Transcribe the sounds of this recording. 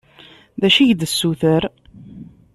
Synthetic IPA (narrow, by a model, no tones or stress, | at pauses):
ðæʃiʝd̪əsːuθəɾ